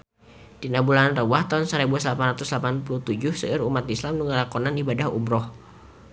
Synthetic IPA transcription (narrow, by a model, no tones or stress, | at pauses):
d̥inabulanrəwaht̪aunsəɾebuaslapanrat̪uslapanpuluht̪ud͡ʒʊhsəʔəɾumat̪islamnuŋalakɔnanibadahṵmɾɔh